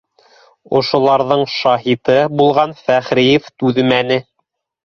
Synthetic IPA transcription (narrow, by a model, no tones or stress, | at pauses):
ŏʃŏlˠɑɾðɤɴʃɑɦit̪ɤbulˠʁɑnfæχɾijeft̪ʉðɘmænɘ